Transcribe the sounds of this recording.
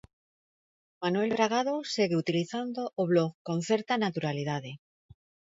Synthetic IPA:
manwe̞lβɾaɣ̞að̞o̞seɣeut̪iliθand̪oʔoβloɣkõ̞nθe̞ɾt̪anat̪uɾalið̞aðe̞

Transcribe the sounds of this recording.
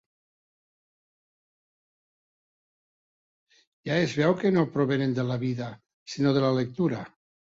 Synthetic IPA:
jaezβewkenopɾoβenend̪elaβiða | sinoðelalek̚t̪uɾa

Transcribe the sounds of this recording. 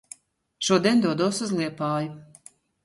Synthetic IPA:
ʃuɔd̪iɛnd̪uɔd̪ɔɔsuzlˠiɛpaːju

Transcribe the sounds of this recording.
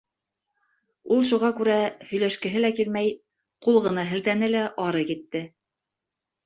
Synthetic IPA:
ulˠʃuʁɑkʉɾæhɵ̆jlæʃkɘ̆ɦɘlækilmæj | qulˠʁɤ̆nɑɦɘ̆lt̪ænɘlæʔɑɾɤkit̪ːɘ

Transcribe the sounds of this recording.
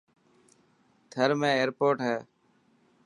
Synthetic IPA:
t̪ʰəɾmẽːeːɾpoːʈɦɛː

